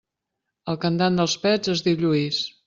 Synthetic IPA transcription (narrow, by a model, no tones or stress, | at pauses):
əlˠkənd̪and̪əlˠspɛzezðiwʎuis